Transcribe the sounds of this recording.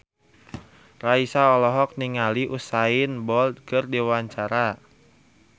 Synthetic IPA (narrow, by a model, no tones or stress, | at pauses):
raisaɔlɔɦɔk̚niŋaliʔusainbɔlt̪̚kɨrdiwaɲt͡ʃaɾa